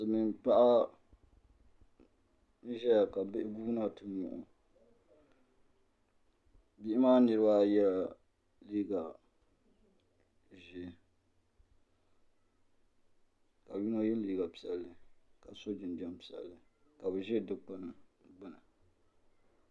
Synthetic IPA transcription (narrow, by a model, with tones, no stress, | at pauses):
sɨ˨mi˨npa˦ʔa˦ | n̩˦ʒɛ˦ja˨ka˨bɪ˦ɪ˦ɡuː˦na˦tɨ˦mʊ̰˨ʔʊ̰˨ | bi˦ʔɪ˦maː˦nɨ˨ɾɨ˦ba˦jɛ˦la˨ | liː˦ɡa˨ | ʒi˦˨ | ka˨ji˦na˦jɛ˦n˦liː˦ɡa˨pi˨ɛ˨lːɨ˨ka˨so˦d͡ʒɪ˨nd͡ʒɛ˦mpi˨ɛ̰˨lːɨ˦ka˨bɨ˨ʒɛ˦dɨ˦k͡pa˦n˨ɡ͡bɨ˦na˨